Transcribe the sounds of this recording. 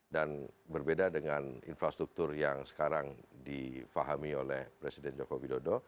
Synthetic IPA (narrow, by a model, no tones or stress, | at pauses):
danbərbedadəŋanḭnfɾast̪ɾuk̚t̪ʊrjaŋsə̥kaɾaŋdifaɦamiolɛhpɾesidɛnd͡ʒokowidodo